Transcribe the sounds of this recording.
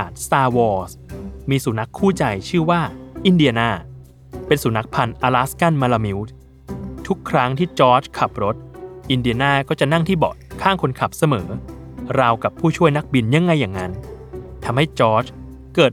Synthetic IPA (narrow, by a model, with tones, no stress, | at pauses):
aː˨˩t̪̚st̪aː˧wɔː˧s | miː˧suː˩˦na˦˥kʰːuː˥˩t͡ɕa˧jt͡ɕʰɯː˥˩waː˥˩ʔi˧ndi˧ɐ˧naː˥˩ | pe˧nsuː˩˦na˦˥k̚pʰa˧nʔaː˧laː˦˥ska˥˩nma˧la˧mi˦˥wt̪̚ | t̪ʰu˦˥kʰːɾa˦˥ŋt̪ʰiː˥˩t͡ɕɔː˦˥t͡ɕkʰa˨˩p̚ɾo˦˥t̪̚ʔi˧ndi˧ɐnaː˥˩kɔː˥˩t͡ɕa˨˩ʔna˥˩ŋt̪ʰiː˥˩bɔ̰ː˨˩t̪̚kʰaː˥˩ŋkʰo˧nkʰa˨˩p̚sa˧mɤː˩˦ | ɾa˧wka˨˩pʰːuː˥˩t͡ɕʰu˥˩əjna˦˥k̚bi˧nja˧ŋːa˧jːaː˨˩ŋŋa˦˥n | t̪ʰa˧mha˥˩jt͡ɕɔː˦˥t͡ɕ | kɤː˨˩t̪̚